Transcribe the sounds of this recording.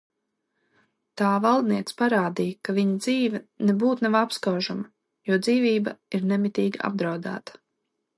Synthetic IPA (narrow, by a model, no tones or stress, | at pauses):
t̪aːvalˠd̪niɛt̪spaɾaːd̪ijkaviɲɐd̪ziːvɛnebuːt̪navapskawʒamɐ | juɔd̪ziːvʲiːbɐiɾnɛmit̪ʲiːɡaa̰b̚d̪ɾawd̪a̰ːt̪ḁ